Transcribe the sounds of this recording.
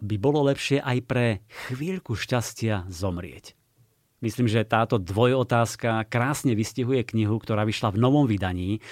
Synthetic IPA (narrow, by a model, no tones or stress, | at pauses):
bibɔlɔlɛpʃɪɛʔajpɾɛxʋiːʎkuʃcascɪazɔmɾɪɛ̰c | misliːmʒɛt̪aːt̪ɔd̪ʋɔjɔt̪aːskakɾaːsɲɛʋisciɦujɛkɲiɦukt̪ɔɾaːʋiʃlavnɔʋɔmʋid̪aɲiː